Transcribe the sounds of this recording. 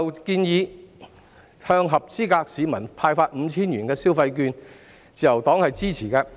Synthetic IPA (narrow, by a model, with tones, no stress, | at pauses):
wkiː˧njiː˨˧ | hœː˧ŋɦɐ˨p̚t͡siː˥kaː˧k̚siː˨˧mɐ˨˩npʰaː˧jfaː˧t̚m̩˨˧˦t͡sʰiː˥nɥyː˨˩nkɛː˧siː˥wfɐ˧jk̬yː˧n | t͡siː˨jɐ˨˩wt̪ɔː˨˥ŋhɐ˨jt͡siː˥t͡sʰiː˨˩kɛː˧